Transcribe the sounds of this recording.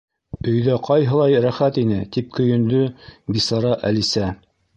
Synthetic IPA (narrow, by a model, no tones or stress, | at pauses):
ɵ̆jðæqʰɑjɦɤ̆lˠɑjɾæχæt̪inɘt̪ip̚kɵ̆jɵ̆nd̪ɵbisɑɾɑʔælisæ